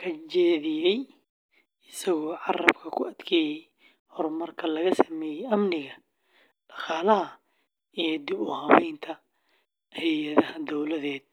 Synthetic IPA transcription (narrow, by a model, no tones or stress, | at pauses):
kʰɐt͡ʃɛːðɪjɛj | ɪsɐɣɔːʕɑrɐbkʰɐkʰʊɐd̪̥kʰɛːjɛj | hɔrmɐrkʰɐlɐɣɐsɐmɛːjɛjɐmnɪɣɐ | ɖ̥ɑχaːlɐɦɐ | ijd̪ɪbʊhɐβɛjnt̪ʰɐ | hɛjɐðɐhɐd̪ɔwlɐðɛːd̪̚